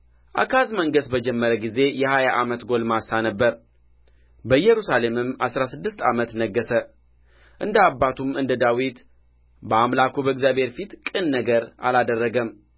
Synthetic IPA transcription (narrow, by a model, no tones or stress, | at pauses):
ʔa̰kʰazməŋɡəsbəd͡ʒɛmːəɾəɡize̞jɛhajaʔamət̪ɡo̞lmasanəbːəɾ | bəjːɛɾusale̞mɨmasɾasɨd̪ːɨst̪amət̪nəɡːəsə | ʔɨnd̪əabːat̪ʰumɨnd̪əd̪awit̪ | bəamlakʰubəɨɡzjabhe̞ɾfit̪kʼɨnːəɡəɾa̰lad̪ərːəɡəm